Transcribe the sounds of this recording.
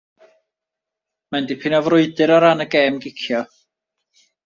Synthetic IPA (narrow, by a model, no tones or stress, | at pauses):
mandipʰɪnɔvrʊɨdɨɾaɾanəɡeːmɡɪkʰjɔ